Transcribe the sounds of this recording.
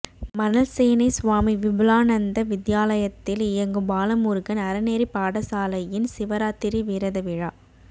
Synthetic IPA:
mɐnɐlseːnɐɪsʊʋaːmiʋɪbɪlaːnɐnd̪ɐʋɪðjaːlɐjɐt̪ːɪlɪjɐŋɡɯbaːlɐmuːɾɣɐnɐɾɐneːɾipaːɽɐsaːlɐjɪnsɪʋɐɾaːt̪ɪɾiʋiɾɐðɐʋɪɻaː

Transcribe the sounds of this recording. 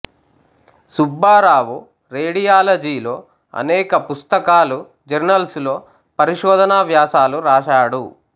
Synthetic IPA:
subːaːɾaːʋu | ɾeːɽijaːlɐd͡ʒiːlo̞ː | ɐ̰nɛːkɐpust̪ɐkaːlu | d͡ʒɐɾnɐlslo̞ː | pɐɾiʃɔːd̪ʱɐnaːʋjaːsaːluɾaːʃaːɽu

